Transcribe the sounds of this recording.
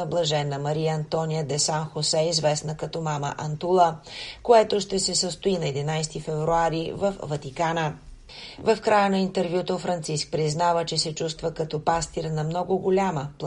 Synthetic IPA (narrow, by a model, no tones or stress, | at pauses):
əblˠɐʒɛnːəmɐɾijəɐnt̪ɔnijəd̪ɛsanxosɛizvɛsnəkɐt̪ɔmamə̰ʔɐnt̪ulˠəkoɛt̪oʃt̪ɛsɛsəst̪oinɐɛd̪inajst̪ifɛvɾuaɾivəfvɐt̪ikanə | vɐfkɾajənɐint̪ɛɾvjut̪ofɾɐnt̪sisk̚pɾiznavət͡ʃɛsɛt͡ʃust̪vəkɐt̪ɔpast̪iɾnɐmnɔɡoɡolʲaməp